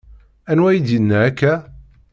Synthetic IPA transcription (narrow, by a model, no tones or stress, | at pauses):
ænwæjid̪jənːæækːæ